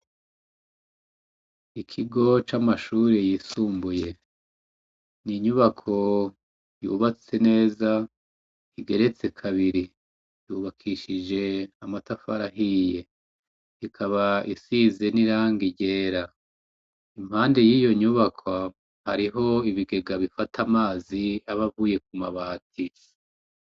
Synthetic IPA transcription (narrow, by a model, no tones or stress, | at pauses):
ikʰiɡo̞t͡ʃamaʃuːɾejiːsuːmbuje̞ | niɲuβakʰo̞ | juːβat͡se̞ne̞ːza | iɡe̞ɾe̞t͡se̞kʰaβiɾi | juːβakʰiʃid͡ʒe̞amatafaɾaɦije̞ | ikʰaβaʔisize̞niɾaːŋɡiɟe̞ːɾa | im̥haːnde̞jiːjo̞ɲuβakʰwa | haɾiɦo̞iβiɡe̞ɡaβifatʰamaːziaβavuːje̞k̚umaβaːti